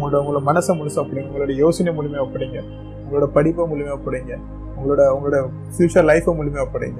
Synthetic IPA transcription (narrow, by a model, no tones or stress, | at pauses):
ʊŋɡɐɭoːɽɐʊŋɡɐoːɽɐmɐnɐsɐmʊlsɐ̃ɐpːɐɽɪŋɡɐʊŋɡɐɭoːɽɐjoːsɐnɐmuːlɪmeːʋɐpːɐɽɪːŋɡɐ | ʊŋɡɐɭoːɽɐpɐɽɪpːɐmuːlɪmeːʋɐpːɐɽeŋɡɐ | ʊŋɡɐɭoːɽɐʊŋɡɐɭoːɽɐ | fjuːt͡ʃaɾlɐɪfɐmuːlɪmeːʋɐpːɐɽḭŋɡɐ